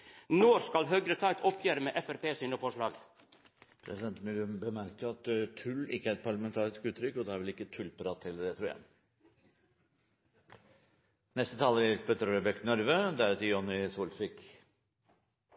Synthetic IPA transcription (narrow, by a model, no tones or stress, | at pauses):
noːɾskɑlɦœɡɾət̪ʰɑɪt̪ʰɔpʰjeːɾəmeːʔɛfæɾpeːsʏnəfɔʂɭɑːɡ | pʰɾɛ̰sɪd̪ɛnt̪mʉlʉbəmæɾkəɾɑt̪t̪ʰʉlːɪkːəæɾɛt̪pʰɑɭɑmɛnt̪ʰɑːɾɪskʉːt̪ɾʏkːɔd̪ɛæɾʋɪlɪkːət̪ʰʉlpɾɑt̪hɛlːəɾɛt̪ʰɾuːjæ̰ɪ | nɛst̪ət̪ʰɑːləɾɪɪsbœt̪ɾɔɾəbɛk̪nɔɾʋəd̪æɾt̪əjɔnɪsuːlsʋɪk